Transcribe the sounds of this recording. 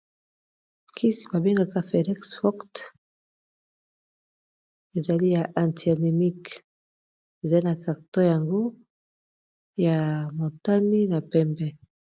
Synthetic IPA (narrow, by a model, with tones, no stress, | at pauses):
kʰi˦si̥˨ba˨bi˦ŋɡa˨ka˦fe˨ni˦ksfɔ˦kt | e˨za˨li˦ja˨ʔa˨nti˨a˨ne˨mi˦k | e˨za˨li˦na˨ka˨kto˦ja˨ŋɡo˦ | ja˨mo˨ta˦ni˦na˨pɛ˦mbɛ˦